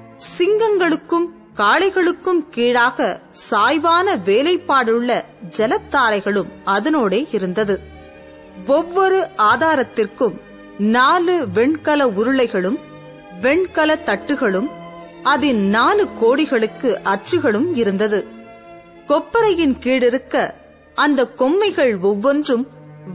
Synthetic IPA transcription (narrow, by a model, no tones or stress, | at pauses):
sɪŋɡɐŋɡɐɭɯkːɯm | kaːɭɐɪɣɐɭɯkːɯmkiːɻaːɣɐsaːjʋaːnɐʋeːlɐɪpːaːɽɯɭːɐ | d͡ʒɛlɐt̪ːaːɾɐɪɣɐɭɯmɐðɐnoːɽeːɪɾɯnd̪ɐðɯ | ɔʋːɔɾɯʔaːðaːɾɐt̪ːɪrkɯm | naːlɯʋɛɳkɐlɐʊɾɯɭɐɪɣɐɭɯm | ʋɛɳkɐlɐt̪ːɐʈːɯɣɐɭɯm | ɐðɪnnaːlɯkoːɽɪɣɐɭɯkːɯʔɐt͡ʃːɯɣɐɭɯmɪɾɯnd̪ɐðɯ | kɔpːɐɾɐjɪnkiːɽɪɾɯkːɐ | ʔɐnd̪ɐkːɔmːɐɪɣɐɭɔʋːɔndrɯm